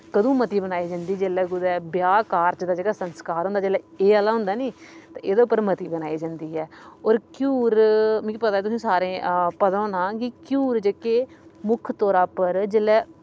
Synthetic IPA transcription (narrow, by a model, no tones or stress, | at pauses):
kəd̪õːmət̪iːbənaːiːd͡ʒãːnd̪iːd͡ʒeːlɛːɡʊd̪ɛːbjaːkaːɾt͡ʃd̪aːd͡ʒeːɽaːsənskaːɾɦʊ̃nd̪aːd͡ʒeːlɛː | eːalaːɦʊ̃nd̪aːniːt̪ãːʔeːd̪eːʊpːəɾmət̪iːbənaːiːd͡ʒãːnd̪iːɦɛːɔːɾkjuːɾm̃ːkipət̪aːɛt̪ʊsĩːsaːɾẽːpət̪õːnãːkɪkjuːɾd͡ʒekeːmʊkʰt̪oːɾaːpəɾd͡ʒelːɛː